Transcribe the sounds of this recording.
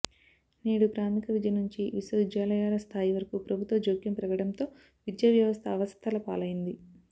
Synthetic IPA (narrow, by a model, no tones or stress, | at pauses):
niːɽupɾaːmikɐʋid͡ʒ̪ɐjɐnuɲt͡ʃiʋisod͡ʒaːlɐjaːlɐst̪ʰaːjiʋɐɾɐkupɾɐbʱut̪ʋɐd͡ʒoːkjɐmpɾɐɡɐɽɐnt̪o̞ː | ʋid̪jɐʋjɐʋɐst̪ʰɐːʋɐst̪ʰɐlɐpa̰ːlɐjind̪i